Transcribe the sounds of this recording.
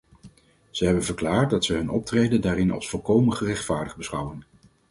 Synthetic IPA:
z̥əɦɛbənvəɹklaːɹt̚dɑtsəɦɵnɔp̚trejdəndaːɾɪnɑ̰lˠsfɔlˠkowmənχərɛχtfaːɹdəbəsχʌwən

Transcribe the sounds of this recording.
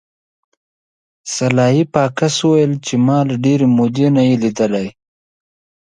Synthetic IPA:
salɑɦipɑkasuwajəlt͡ʃemɑːlaɖeɾemod̪enajelid̪əlaj

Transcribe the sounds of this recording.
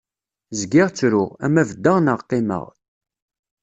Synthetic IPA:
zɡɪʁt͡sːɾʊʁæ̰mævəd̪ːəʁnəʁqːɪmə̰ʁ

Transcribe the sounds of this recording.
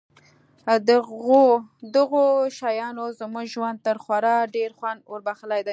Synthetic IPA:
od̪əɣoʃɑjɑnozəmuɡʒwand̪̚t̪əɾxwaɾɑɖeɾxwand̪woɾbaxəlajd̪aj

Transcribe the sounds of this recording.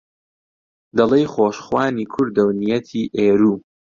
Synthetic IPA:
d̪ɐlˠejχoːʃχwaːniːkʰʊɾd̪ɐwnijɐt̪ʰiːʔeːɾuː

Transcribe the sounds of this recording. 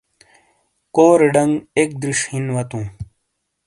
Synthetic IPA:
koːɾeɖɐŋɡek̚d̪ɾiʂhinwɐt̪ũː

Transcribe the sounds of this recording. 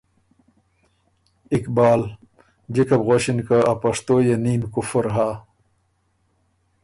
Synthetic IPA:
ikbaːl | d͡ʑekɐbɣoɕinkaapɐʂt̪oːjeniːmkufɐɾɦaː

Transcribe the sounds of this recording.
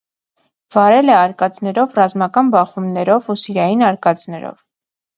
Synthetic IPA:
v̥ɑɾɛlɛɑɾkɑt͡snɛɾɔvrɑzmɑkɑnbɑχumnɛɾɔvusiɾɑjinɑɾkɑt͡snɛɾɔ̰v

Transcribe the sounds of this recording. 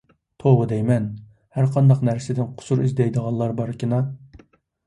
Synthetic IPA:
t̪ʰobɨd̪ɛjmɛn | hæɾqʰɑnd̪ɑqnæɾsɪd̪ɪnqʰʊ̥suɾizd̪ɛjd̪əʁɑnlˠlˠɑɾbɑɾkʲinɑ

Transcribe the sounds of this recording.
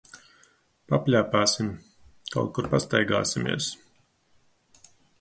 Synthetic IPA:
papʲlʲæːpaːsim | kʰa̰wt̪̚kuɾpast̪ajɡa̰ːsimʲḭɛs

